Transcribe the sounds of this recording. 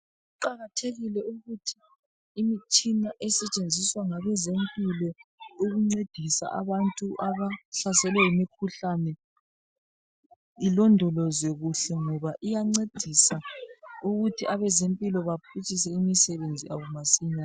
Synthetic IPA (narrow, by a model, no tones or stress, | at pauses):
uǃaɣatʰeɣilɛuɣutʰi̥ː | mit͡ʃʼinaʔɛsɛt͡ʃʼend͡zʱiswaŋaβɛzempʼilɔuɣuŋ͡ǀed̥ʱisa̰ʔa̰βantʼuʔaβaɬasɛlɛjimikʰuɬanɛ | ilɔndʱɔlɔzeɣuɬɛŋɔβaʔijaŋ͡ǀed̥ʱisauɣutʰiʔaβɛzempʼilɔβapʰit͡ʃʼisɛimisɛβend͡zʱḭa̰ɣumasiɲaːn